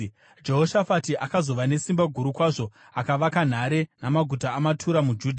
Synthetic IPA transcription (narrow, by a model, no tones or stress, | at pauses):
d͡ʒe̞ɦo̞ʃafatiʔakazo̞ʋane̞simbaɡʱuɾukwaʐo̞ | akaʋakan̤aɾe̞namaɡʱutaːmatʰuɾamud͡ʒuːdʱa